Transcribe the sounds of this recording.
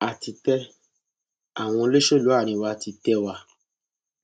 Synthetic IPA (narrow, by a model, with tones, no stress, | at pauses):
a˨ti˧tɛ˦ | a˨w̃ɔ̃˧le˦ʃo˦˨lu˨˦a˦˨ɾ̃ĩ˧wa˧ti˧tɛ˦wa˧